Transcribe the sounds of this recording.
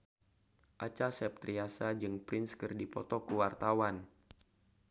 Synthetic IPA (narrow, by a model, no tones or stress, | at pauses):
ʔat͡ʃasɛp̚t̪ɾiasad͡ʒɨŋpɾɪnskɨrdipɔt̪ɔkuwart̪awan